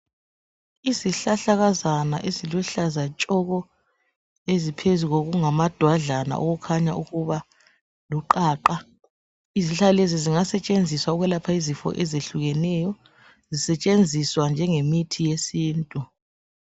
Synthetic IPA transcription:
iziɬaɬaɣazana̰ʔeziluɬazat͡ʃʼɔɣɔ | ezipʰezuɣoɣuŋamad̥ʱwaɮana̰ʔo̰ɣukʰaɲa̰ʔuɣuβa | luǃaːǃa | iziɬaleziziŋasɛt͡ʃʼend͡zʱiswauɣwɛlapʰaizifɔ̰ʔɛzeɬuɣɛnɛjɔ | zisɛt͡ʃʼend͡zʱiswand͡ʒʱɛŋemitʰijesiːntʼu

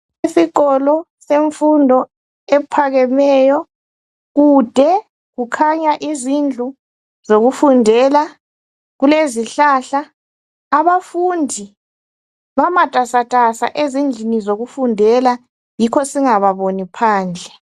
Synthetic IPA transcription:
isikɔlɔ | seɱfundʱɔ | ɛpʰaɣɛmɛjɔ | ɣud̥ʱɛ | ɣukʰaɲaʔizind͡ɮʱu | zoɣufundʱɛla | ɣuleziɬaːɬaː | βafundʱi | βamatʼasatʼasa̰ʔezind͡ɮʱinizoɣufundʱɛla | jikʰɔsiŋaβaβonipʰaːnd͡ɮʱɛ

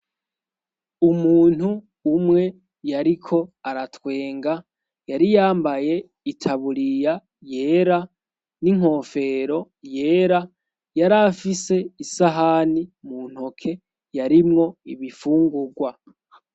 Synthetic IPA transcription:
umuːn̥huː | mŋe̞ | jaɾikʰo̞aɾatwe̞ːŋɡa | jaɾijaːmbaje̞ | itʰaβuɾija | je̞ːɾa | niŋ̥o̞ːfe̞ɾo̞ | je̞ːɾa | jaɾafise̞isaɦanimun̥hokʰe̞ | jaɾimŋo̞iβifuːŋɡuɡwa

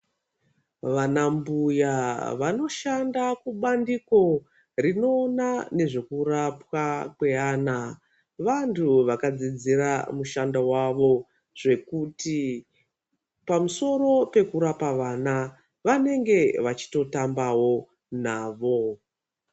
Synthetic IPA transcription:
ʋanambujaʋano̞ʃandakuɓandiko̞ | rino̞ːnane̞ʐe̞kurapwakwe̞aːna | ʋantʰuʋakad͡zid͡ziɾamuʃandawaʋo̞ | ʐ̥e̞kuti | pamuso̞ɾo̞pe̞kuɾapaʋana | ʋane̞ŋɡe̞ʋat͡ʃi̥to̞tambawo̞ | naːʋo̞

